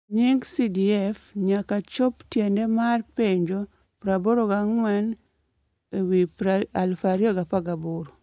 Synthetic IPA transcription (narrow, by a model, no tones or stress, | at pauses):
ɲiŋɡsidiɛfɲakat͡ʃoptjendemarpeɲd͡ʒo | pɾaboɾoɡaŋwɛn | ewipɾaalfaɾiɔɡapaɡabʊɾ